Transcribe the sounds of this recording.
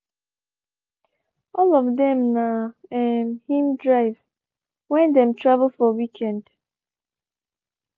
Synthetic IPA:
ɔlɔvdɛ̃mnaɛmhĩmdɹaɪv | wɛ̃ndɛ̃mtʰɹavəl̩fɔwikʰɛ̃nd

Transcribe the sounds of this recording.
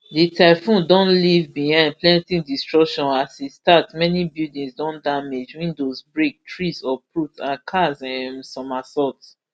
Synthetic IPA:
ditʰaɪfũndɔ̃nlivbihãnplɛ̃ntĩdistɹɔkʃɔ̃nasistatmɛnibjudĩsdɔ̃ndamed͡ʒwĩndozbɹek̚tʰɹisɔpɹutãnkʰazɛmsɔ̃masɔts

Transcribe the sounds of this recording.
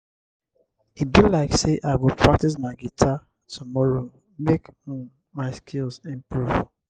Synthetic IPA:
it̚bilaɪkseʔaɪwɪlpʰɹak̚tis̬maɪɡitʰa | tʰumɔɹo | mek | maɪskʰilsĩnpɹuvə

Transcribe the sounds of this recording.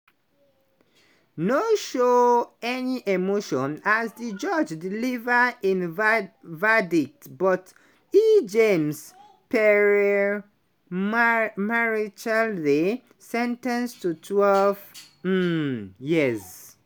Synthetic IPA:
noʃoɛniʔemoʃɔ̃nazðid͡ʒʌd͡ʒdilivəĩn | vɛdik̚tbɔt | id͡ʒẽms | pɛɹɛ | maɹit͡ʃɛldi | sɛ̃ntãnstutʰwɛlv̩ | jiz

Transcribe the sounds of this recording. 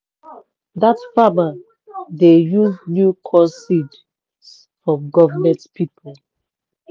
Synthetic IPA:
datfama | dejuznjukʰɔsid | s | fɹɔ̃ɡɔvəmɛ̃ntpʰipʰol

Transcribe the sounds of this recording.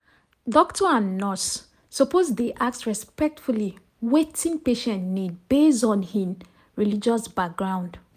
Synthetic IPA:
dɔktʰɔãnːɔsː | ɔpozdeʔak̚tɹɛspɛk̚tfuli | wetʰĩŋpeʃɛ̃ntnidbesɔ̃nhĩm | ɹilid͡ʒɔsbak̚ɡɹãʊ̃nd

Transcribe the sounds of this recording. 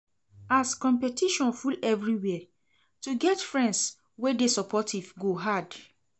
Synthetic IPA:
askɔ̃mpɛtiʃɔ̃nfulɛvɹiwɛ | tuɡɛtfɹɛ̃nds | wedesɔpʰɔtivɡoɦad

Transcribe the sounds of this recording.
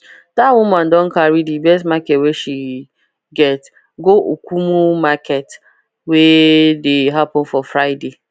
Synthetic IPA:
dawumãndɔ̃n̩kaɾidibɛstmakɛtweʃi | ɡɛt | ɡoʔokʷumumakɛt | wedeɦapɔ̃nfɔfɾaɪde

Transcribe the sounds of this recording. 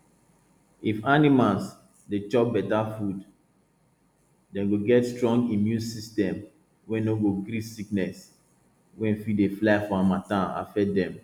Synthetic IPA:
ifanimals | det͡ʃɔp̚bɛtafud | dɛ̃nɡoɡɛtstɹɔ̃ŋɡĩmjũnsistɛ̃m | wɛ̃noɡoɡɾisiknɛs | wɛ̃nfideflaɪfɔamatãa̰fɛdɛ̃m

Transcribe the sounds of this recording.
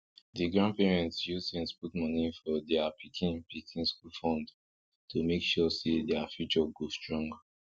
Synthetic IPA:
diɡɹãndpɛɹɛ̃ntsjustĩnsputmɔnifɔdɛapʰikʰĩnpʰikʰĩnskulfɔ̃nd | tʰomekʃɔsedɛafjut͡ʃɔɡostɹɔ̃ŋɡa

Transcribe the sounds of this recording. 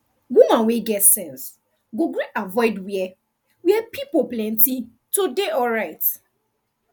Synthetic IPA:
wumãnweɡɛtsɛ̃ns | ɡoɡɾiʔavɔɪdwiɛ | wiɛpipoplɛ̃n̩ti | todeʔɔɹaɪt

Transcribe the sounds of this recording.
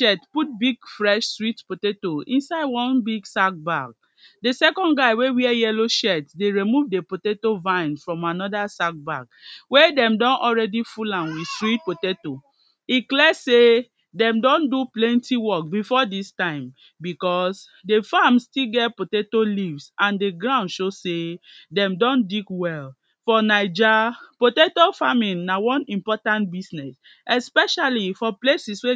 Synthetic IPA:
ʃɛtput̚biɡfɹɛʃswitpotetoĩnsaɪdwɔ̃nbiɡsak̚baɡ̚ | desɛkɔ̃nɡaɪwewiɛjɛloʃɛtdeɹimuvdepotetovãɪ̃nfɹɔ̃manɔdasak̚ba̰ɡwedɛ̃mdɔ̃nʔɔlɹɛdifulãnwi̥swit̚poteto | iklɛse | dɛ̃mdɔ̃nduplɛ̃ntiwɔk̚bifɔdistãɪ̃m | bikɔs | defamstilɡɛtpotetolivsãndeɡɹãʊ̃ndʃosedɛ̃mdɔ̃ndikwɛl | fɔnaɪd͡ʒapotetofamĩnːawɔ̃nĩmpɔtãnt̚bisnɛs | ɛspɛʃalifɔplesiswe

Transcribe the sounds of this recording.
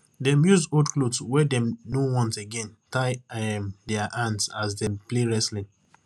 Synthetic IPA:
dɛ̃mjuzodklodswɛdɛ̃mnowɔ̃nteɡɛ̃ntaɪɛmdɛaʔãndsasdɛ̃mpleɹɛslĩŋ

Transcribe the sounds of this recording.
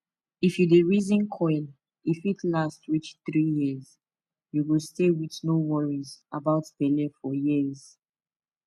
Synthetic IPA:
ifjudeɹizĩnkʰɔɪl | ifitʰlastɹit͡ʃθɹijiz̥ | juwistewitnowɔɹizabaʊtb̥ɛlɛfɔjiz̥

